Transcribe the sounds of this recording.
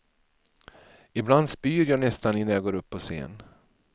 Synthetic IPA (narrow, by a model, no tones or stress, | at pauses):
ɪbland̪spyːɾjɑːnɛst̪anɪnːaɾjɑːɡoːɾɵpʰːɔsḛːn